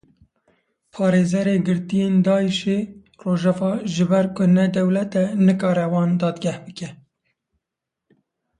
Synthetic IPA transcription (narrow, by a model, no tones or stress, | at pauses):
pʰɑːɾeːzɛɾeːɡɨɾt̪ijeːnd̪ɑːiʃeː | roːʒɛvɑːʒɨbɛɾkʊnɛd̪ɛwlɛt̪ɛnɨkɑːɾɛwɑːnd̪ɑːd̪ɡʲɛhbɨkɛ